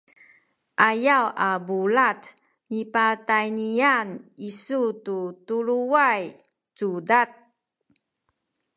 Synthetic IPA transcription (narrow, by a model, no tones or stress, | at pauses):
ʔajawʔabulat | nipatajnianisututuɾuaj | tudat̚